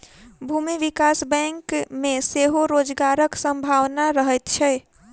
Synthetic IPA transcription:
bʱumiʋikasbɛ̃ŋkmeseɦoɾod͡ʒɡaɾəksəmbʱawnaɾəɦɛt̪t͡ʃʰɛ

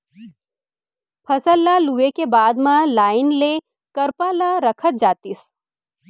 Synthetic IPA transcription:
pʰɐsəlːaluekebaːd̪mãlaːɪnle | kɐɾpalaɾɐkʰət̪̚d͡ʒaːt̪is

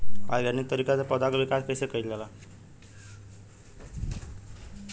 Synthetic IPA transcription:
pa̰jɡaɾnik̚t̪ʌɾikat͡sapʌd̪akobikaskejsekəjt̪lala

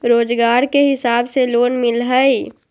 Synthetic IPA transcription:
ɾoːd͡ʒɡaːɾkeɦɪsaːbseloːnmɪlɦəi

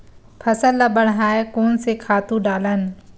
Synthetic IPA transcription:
pʰɐsəlːabəɳ̤ɦaːekoːnsekʰaːt̪ũɖaːlənɪ̆

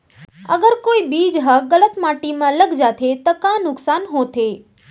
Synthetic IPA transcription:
əɡəɾkoibid͡ʒɦəɡələt̪maʈimãləɡd͡ʒat̪ʰet̪əkanʊksanɦõt̪ʰe

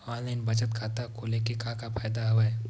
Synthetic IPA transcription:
ɔ̃ːnlaɪnbət͡ʃət̪kʰat̪akolekekãːkapʰaːjd̪aɦoɛ

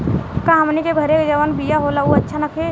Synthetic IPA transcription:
kãɦɐmnikebʱəɾekd͡ʒəʋənbijaɦolauɐtːʃʰanɐkʰe

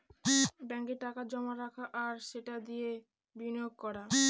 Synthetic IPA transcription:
bɛŋkeʈakad͡ʑɔmaɾakʰaʔaɾʃeʈad̪ije | binojoɡ̚kɔɾa

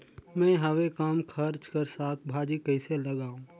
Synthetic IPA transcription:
mɛ̃ːɦɐwekaːmkʰɐɾt͡ʃkɐɾsaːt̪ʰbʱaːd͡ʒikɐɪselɐɡaːũː

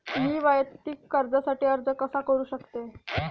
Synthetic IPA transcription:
miːʋajt̪iːkːəɾd͡zasaʈiːəɾd͡zəkəsakəɾuːɕəkt̪e

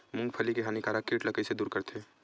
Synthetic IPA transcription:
mʊ̃ŋɡpʰəlikeɦaːnikaːɾakiːʈləkəised̪uːɾkɐɾt̪ʰeː

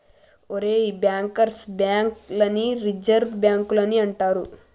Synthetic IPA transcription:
oɾeːiːbjaːŋkɐɾsbjaːŋklɐniɾid͡ʒɐɾʋbjaːŋkulɐniɐɳʈaːɾu

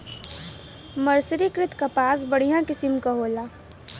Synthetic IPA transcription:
məɾsɾikɾɪt̪ʰkapaːs̬bəɽ̤ijãkɪsɪmkaɦoːlaː

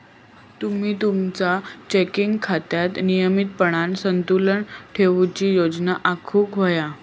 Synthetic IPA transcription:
t̪um̤iːt̪umt͡sat͡ɕekiŋɡkʰat̪jat̪nijəmit̪̚pəɽ̃ansənt̪uləɳʈʰeʋt͡ɕiːjod͡znaʔakʰuːkɦoja

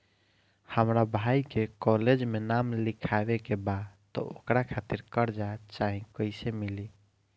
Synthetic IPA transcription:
həmɾabʱajkekɔled͡ʒmenamlikʰabekebad̪t̪ɔ̰okɾakʰat̪iɾkəɾd͡ʒat͡ʃaɦĩkəɪsemili

